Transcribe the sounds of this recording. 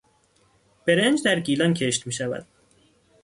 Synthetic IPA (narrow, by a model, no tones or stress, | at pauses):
b̥e̞ɾend͡ʒd̪æɾɡiːlɒncʲʰeʃt̪miːʃævæ̰d̪̥